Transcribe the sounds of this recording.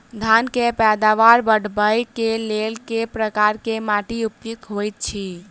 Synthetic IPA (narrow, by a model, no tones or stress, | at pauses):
d̪ʱankepɛd̪aʋaɾbəɽ̤bəjkelelkepɾəkaɾkemaʈiup̚t̪it̪ɦojt̪̚t͡ʃʰi